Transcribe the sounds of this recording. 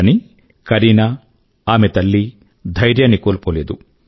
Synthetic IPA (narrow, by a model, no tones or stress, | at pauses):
ni | kɐɾiːnɐ | aːmet̪ɐlːi | d̪ʱɐjɾjɐnikoːlpoleːd̪u